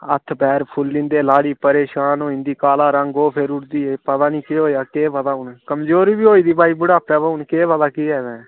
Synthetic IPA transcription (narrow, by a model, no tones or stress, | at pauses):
ə̰t̪ʰbɛːɾpʰʊlːɪ̃nd̪eːlaːɽiːpəɾeːʃaːnõːɪ̃nd̪iːkaːlaːɾəŋɡoːpʰeɾʊɽd̪iːeːpət̪aːnĩːkeːɦoːjaːkeːbəd̪aːʊnkəmd͡ʒoːɾiːbiːoːiːd̪iːbaːiːbʊɽaːpɛːbaːʊnkeːʋəd̪aːkiːɛːʋɛ̃ː